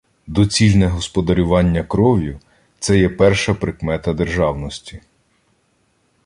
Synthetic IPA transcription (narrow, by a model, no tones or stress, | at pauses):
d̪ɔt͡sʲilʲnɛɦɔspɔd̪ɐɾʲʊʋɑnʲːɐkɾɔʋʲjʊ | t̪sɛjɛpɛrʃɐpɾɪkmɛt̪ɐd̪erʒɑwnɔsʲtʲi̥